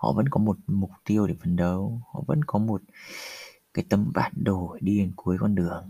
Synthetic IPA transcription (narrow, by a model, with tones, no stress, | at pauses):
hɔ̰˧˨və̰˧˥nkɔ˨˦mo˨˩t̚mʊ˨˩k͡p̚t̪i˧əwɗe˨˧˩fə˨˩nɗə˨˩whɔ̰˧˨və̰˧˥nkɔ˨˦mo˨˩t̚ | kaː˨˦jt̪ə˧mɓa̰ː˧˨˩nɗo˨˩a˨˩ɗi˧e˨˩nku˨˦əjkɔ˧nɗɨ˨˩əŋ